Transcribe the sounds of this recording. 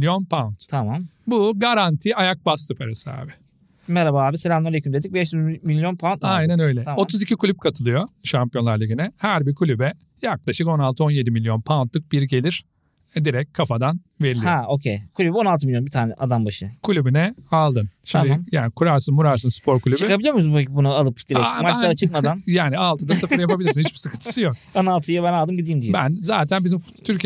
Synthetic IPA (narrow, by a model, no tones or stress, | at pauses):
ijo̞npʰant̪t̪ʰamambuɡaɾant̪ʰiːajak̚basɯpʰɛɾesa̰ːbɪ | mɛɾabaaːbiselamnˠaɾekʰymd̪e̞d̪ic̚bɛʃyzmilʲjo̞npʰanajnænø̞jlʲɛo̞t̪ʰuzicʰikʰulʲyp̚kʰat̪ʰɯlˠɯjo̞ʃampijonˠaɾlˠaɡinɛhæɾbiɾkʰulʲybɛ | jak̚lˠaʃɯko̞nalˠt̪ʰɯo̞njed̪imilʲjo̞npʰant̪lˠɯk̚biɾɟe̞lʲiɾ̥ | ɛd̪iɾɛc̚ʲkʰafad̪an | ve̞ɾilʲaocʰejkʰulʲybo̞nalˠt̪ɯmilʲjo̞nbit̪ʰaːnɛʔad̪anbaʃɯkʰulʲybynɛalˠd̪ɯnʃimd̪ijaːnikʰuɾaɾsɯnmuɾaɾsɯnspʰo̞ɾkʰulʲyt͡ʃykabilʲijomusmpecbunualˠɯpd̪ieamat͡ʃlˠaɾat͡ʃʰɯk̚mad̪anjaːnialˠt̪ʰɯd̪asɯfɾjapabilʲiɾsinit͡ʃbi̥sɯkʰɯnt̪ʰɯ̥sɯjok̚onalˠt̪ʰɯjabænalˠd̪ɯmɟid̪iːmd̪ijbænzaːt̪ʰænbizimft̪ʰyɾc